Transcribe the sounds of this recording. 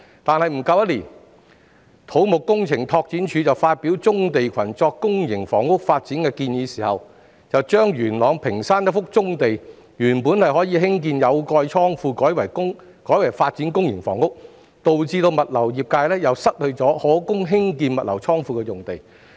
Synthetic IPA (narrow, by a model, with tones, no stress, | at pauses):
t̪aː˨˧nhɐ˨jm̩˨˩kɐ˧wjɐ˥t̚liː˨˩n | t̪ʰo˨˥wmʊ˨kːʊ˥ŋt͡sʰɪ˨˩ŋt̪ʰɔː˧k̚t͡siː˨˥nt͡ʃʰyː˨˧t͡sɐ˨wfaː˧t̚piː˨˥wt͡sʊ˥ŋt̪e˨jkʰɐ˨˩nt͡sɔː˧kːʊ˥ŋjɪ˨˩ŋfɔ̰ː˨˩ŋkʊ˥k̚faː˧t̚t͡siː˨˥nkɛː˧kiː˧njiː˨˧siː˨˩hɐ˨w | t͡sɐ˨wt͡ʃœː˥ŋjyː˨˩nlɔː˨˧˥ŋpʰɪ˨˩ŋsaː˥nt̪ɐ˥k̚fʊ˥k̚t͡sʊ˥ŋt̪e˨j | jyː˨˩npuː˨˥nhɐ˨jɦɔː˨˥jiː˨˧ɦɪ˥ŋk̬iː˧njɐ˨˧wkɔː˧jt͡ʃʰɔː˥ŋfuː˧kɔː˨˥jwɐ˨˩jkʊ˥ŋ | kɔː˨˥jwɐ˨˩jfaː˧t̚t͡si˨˥nkʊ˥ŋjɪ̰˨˩ŋfɔː˨˩ŋkʊ˥k̚ | t̪o˨wt͡siː˧t̪o˧wmɐ˨t̚lɐ˨˩wjiː˨p̚kaː˧jlɛː˥jɐ˨wsɐ˥t̚hɵ˧ɥt͡sɔː˨˥hɔː˨˥kʊ˥ŋɦɪ˥ŋkiː˧nmɐ˨t̚lɐ˨˩wt͡sʰɔː˥ŋfuː˧kɛː˧jʊ˨˩ŋt̪e˨j